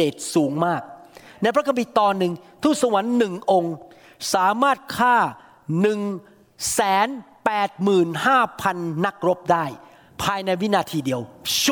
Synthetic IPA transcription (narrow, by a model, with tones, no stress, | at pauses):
eː˨˩t̪̚suː˩˦ŋmaː˥˩k̚na˧jpʰɾa˥kʰa˧mpi˨˩t̪ɔː˧nːɯ˧ŋt̪ʰuː˥˩sa˧wa˨˩˦nːɯ˨˩ŋʔo˧ŋ | saː˩˦maː˥˩t̪̚kʰaː˥˩ | nɯ˨˩ŋ | sɛː˩˦npɛː˨˩t̪̚mɯː˨˩nhaː˥˩pʰa˧nːa˦˥k̚ɾo˦˥p̚daː˥˩j | pʰaː˧jna˧jwi˦˥naː˧t̪ʰiː˧di˧əw